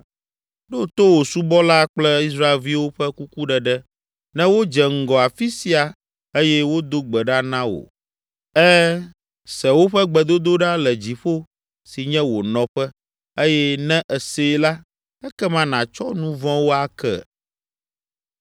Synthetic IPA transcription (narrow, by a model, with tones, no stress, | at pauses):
ɖo˦t̪o˦wo˨su˦bɔ˦la˦k͡plɛ˦i˦s̬ɾa˦e˨lvi˦wo˦ɸɛ˦ku˦ku˦ɖɛ˨ɖɛ˦ | nɛ̃˦wo˦d͡ʒɛ˨ŋ̩˨ɡɔ˨a˨fi˦si˨˦a˨ | e˦jɛ˦wo˦d̪o˦ɡ͡bɛ˨ɖa˦nã˦wo̰˨ | ɛ˦ | sɛ˨wo˦ɸɛ˦ɡ͡bɛ˨d̪o˦d̪o˦ɖa˦lɛ˨d͡ʑi˨ɸo˦ | si˨ɲɛ̃˦wo˨nɔ̃˨ɸɛ˦ | e˦jɛ˦nɛ̃˦ʔɛ˨se˦˨la˦ | ɛ˦kɛ˦mã˦nã˨t͡ʃɔ˦nũ˦vɔ̃˦wo˦a˦kɛ̰˦˨